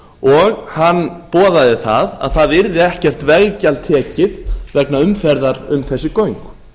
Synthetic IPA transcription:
ɔɣhanːpɔːðaðɪθa̰ða̰ðθaðɪɾðɪɛhcɛr̥t̪vɛɣcalt̪ʰɛːcɪðvɛknaʏmfɛɾðaɾʏmθɛsːɪkoɥŋk

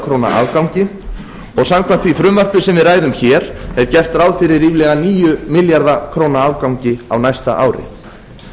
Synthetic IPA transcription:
kʰɾowna̰ʔa̰ːvkawɲcɪ | ɔɣsamkʰvamt̪fvifɾʏmvar̥plɪsɛmvɪðraːjðʏmçɛːɾɛɾcɛr̥t̪ɾaːwðfɪɾɪɾiːvlɛɣaniːjʏmɪljaɾðakʰɾownaavkawɲcɪa̰wnajst̪a̰ʔa̰ːwɾɪ̰

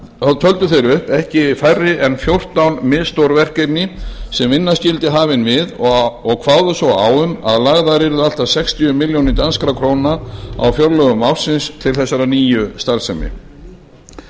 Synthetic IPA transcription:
aðt̪ʰœlt̪ʏθejɾʏhpɛhcɪɪfajrːɪʔɛnfjowr̥t̪awnmɪðst̪owɾvɛr̥kejp̪nɪsɛmvɪnːascɪlt̪ɪɦaːvɪnvɪðɔɣkʰv̥aːwðʏsɔwa̰wʏma̰ðlaɣðaɾɛɾʏðal̥t̪asɛkst̪iʏmɪljownɪt̪anskɾakʰɾoːwnaa̰wfjœɾlœɣʏmawfsɪnst̪ʰɪlθɛsːaɾaniːjʏst̪aɾsɛmɪ̰

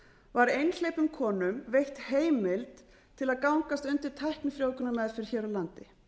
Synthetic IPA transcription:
vaɾejnl̥ejpʏmkʰɔːnʏmvejht̪heːjmɪlt̪ | t̪ʰːɪlaðkawŋkast̪ʏnt̪ɪɾ̥t̪ʰajhknɪfɾjoːwkʏnamɛðfɪɾ̥çɛːɾɔlant̪ɪ

